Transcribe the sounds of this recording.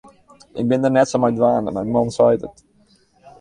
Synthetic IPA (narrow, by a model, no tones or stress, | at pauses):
ʔɪ̰k̚bɪndərnɛtsomajdʋaːnəmɛjnmɔnsœjtə̰t